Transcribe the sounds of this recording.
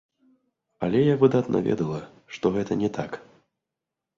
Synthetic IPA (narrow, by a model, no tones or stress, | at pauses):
ɐlʲɛjavɨd̪at̪nʔɐ̰vʲɛ̰d̪ɐlˠɐ | ʂt̪ɔɣɛt̪ɐnʲɛt̪ʰak